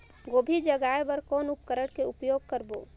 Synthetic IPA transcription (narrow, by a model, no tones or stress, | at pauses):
ɡobʱid͡ʒəɡaebəɾkɔːnup̚kəɾəɽkeupjoɡ̚kəɾbo